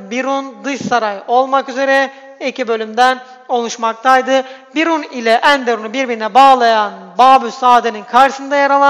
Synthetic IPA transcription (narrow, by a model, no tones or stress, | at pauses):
biɾund̪ɯʃsaɾajo̞lˠmakyze̞ɾɛ | ecibø̞lʲymd̪æn | o̞lˠuʃmak̚t̪ʰajd̪ɯbiɾunilʲɛʔænb̪eɾunubiɾbininɛbaːlˠajanbaːbysaːd̪eninkʰaɾʃɯsɯnd̪ajaɾalˠa